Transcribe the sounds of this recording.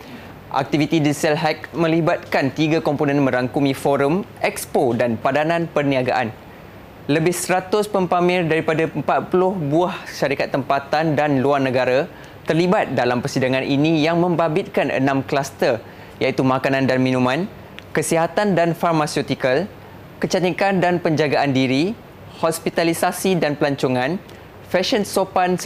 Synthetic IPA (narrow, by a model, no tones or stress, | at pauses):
ʔa̰k̚t̪ifit̪idisɛlɦak̚mə̃libat̪̚kant̪iɡakɔmponɛ̃nmə̃ɾaŋkumĩfɔɾəmʔɛkspodanpadanãnpərniaɡa̰ʔan | ləbɪhsɾat̪ʊspəmpamɪ̃rdaɾipadaəmpat̪̚pulʊhbuahʃaɾikat̪ːəmpat̪andanluarnə̃ɡaɾa | t̪ərlibat̪̚dalampərsidaŋãnʔinĩjaŋmə̃mbabɪt̪̚kanə̰nãmklast̪ər | jait̪umãkanãndanmĩnũmãn | kəsiɦat̪andanfarmasiot̪ikal | kət͡ʃat̪ikandanpəɲd͡ʒaɡaʔandiɾi | hɔspit̪alisasidanpəlaɲt͡ʃuŋãn | fɛʃənsopans